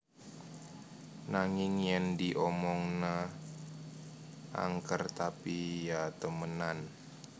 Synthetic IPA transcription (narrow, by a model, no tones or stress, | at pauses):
naŋɪŋjəndiʔɔmɔŋna | ʔa̰ŋkərt̪apijat̪əmənan